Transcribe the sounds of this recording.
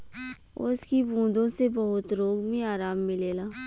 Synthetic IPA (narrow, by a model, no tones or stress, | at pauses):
ʊ̰skibʱũːd̪õsebɐɦʊt̪ɾoːɡmĩaːɾaːmːɪleːlaː